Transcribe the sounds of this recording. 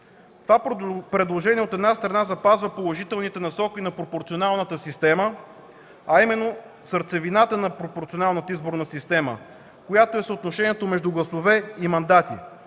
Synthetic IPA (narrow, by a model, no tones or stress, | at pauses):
t̪ovapɾɛd̪lˠoʒɛniɛot̪ɛd̪nast̪ɾɐnazɐpazvəpolˠoʒit̪ɛlˠnit̪ɛnɐsɔkʲinɐpɾopoɾt̪sionalˠnət̪əsist̪ɛmə | ɐimɛnːo | səɾt̪sɛvinat̪ənɐpɾopoɾt̪sionalˠnət̪əizboɾnəsist̪ɛmə̰ | kojat̪oɛsot̪noʃɛniɛt̪omɛʒd̪uɡlˠɐsovɛimɐnd̪at̪ḭ